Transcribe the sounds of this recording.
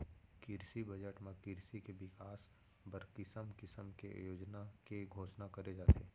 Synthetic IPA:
kɪɾsibɐd͡ʒəʈmẽkɪɾsikeʋɪkaːs | bəɾkɪsəmkɪsəmkejoːd͡ʒnakeɡʱoːʃnakɐɾed͡ʒaːt̪eː

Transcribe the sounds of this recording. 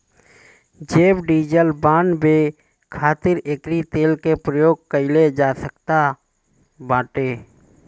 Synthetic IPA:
d͡ʒeːbɖiːd͡ʒəlbaːnbeː | kʰaːt̪ɪɾekɾit̪eːlkepɾəjoːɡ̚kəɪled͡ʒaːsəkt̪a | bãːʈeː

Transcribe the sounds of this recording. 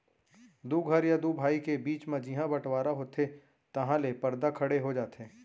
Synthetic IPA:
d̪uːɡʱɐɾjad̪uːbʱaːikebiːt͡ʃmẽd͡ʒɪɦãbɐʈʰwaːɾaɦoːt̪ʰe | t̪ɐɦãlepɐɾd̪akʰɐɽeɦod͡ʒaːt̪ɛ̃ː

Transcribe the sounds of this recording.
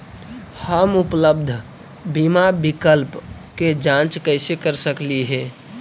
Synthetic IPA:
həmʊpləb̚d̪ʱ | bimabɪkəlpked͡ʒãːt͡ʃkəɪsekəɾsəkliɦɛ̃ː

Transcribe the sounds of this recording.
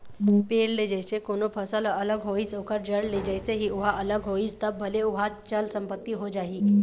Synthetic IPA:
peɽled͡ʒəjsekonopʰəsəlʔələɡɦoisokəɾd͡ʒəɽled͡ʒəjseɦiuɦaʔələɡɦoist̪əbbʱəleuɦat͡ʃəlsəmpət̪ːiɦod͡ʒaɦiː

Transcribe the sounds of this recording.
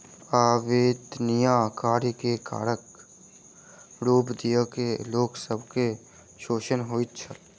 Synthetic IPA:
aːʋeːt̪nijaːkaːɾkeka̰ːɾək | ɾuːpd̪ijəkeloːksəbʱke | ʃoːʃənɦoːit̪t͡ʃʰəl

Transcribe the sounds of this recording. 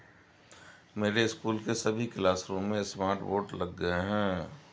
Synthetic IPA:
meːɾeɪskuːlkesɐbʱiklaːsɾõːmːẽsmaːɾʈʋoːʈlɐɡːəeɦɛ̃ː

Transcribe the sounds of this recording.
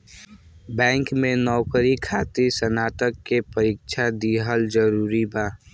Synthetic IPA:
bɛ̃ːŋkmẽnɔːkəɾikʰaːt̪isənaːt̪əkːepəɾiːkʃʰad̪iːɦəld͡ʒəɾuːɾibaː

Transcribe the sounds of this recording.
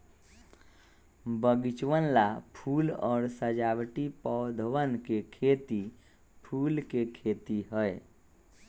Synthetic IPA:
bəɡɪt͡ʃʋənlapʰuːlɔːɾsəd͡ʒaːwʈipɔd̪ʱʋənkekʰeːt̪i | pʰuːlkekʰeːt̪iɦəe

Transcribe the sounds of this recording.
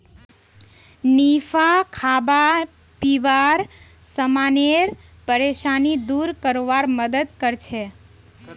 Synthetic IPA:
nifʰakʰaba | piʋaɾsəmaneɾ | pəɾeʃanid̪uɾkəɾoʋaɾməd̪əd̪̚kəɾt͡ʃʰe

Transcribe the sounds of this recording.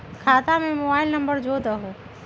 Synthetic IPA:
kʰaːt̪amẽmobaːɪlnɐ̃mbəɾd͡ʒoːd̪əɦoː

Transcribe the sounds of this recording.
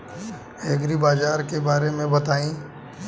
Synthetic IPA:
eɡɾibaːd͡ʒaːɾkebaːɾemẽbɐt̪aːĩː

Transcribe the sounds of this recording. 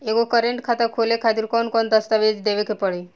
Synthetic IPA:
ekokəɾeɳʈkʰat̪akʰolekʰat̪iːɾkɔnkɔnt̪əst̪aʋed͡zd̪eʋekʰepəɭi

